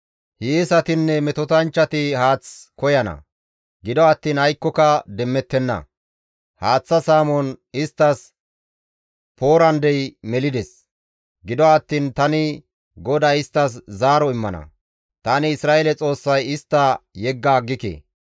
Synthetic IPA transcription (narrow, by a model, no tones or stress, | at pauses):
hiːsɐt̪ɪnːɛmɛt̪ɔt̪ɐnt͡ʃːɐt̪ɪhaːt͡skɔjɐnɐ̰ | ɡɪd̪ɔɐt̪ːiːnhɐjkːɔkɐd̪ɛmːɛt̪ːɛnːɐ̰ | haːt͡sːɐsaːmɔnɪst̪ːɐs | po̞ːɾɐnd̪ɛjmɛlɪd̪ɛs | ɡɪd̪ɔɐt̪ːiːnt̪ɐnɪ | ɡɔd̪ɐɪst̪ːɐs̬zaːɾɔɪmːɐnɐ̰ | t̪anɪːsɾaːʔelɛt͡sʼo̞ːsːɐjɪst̪ːɐjɛɡːaːɡɪkḛː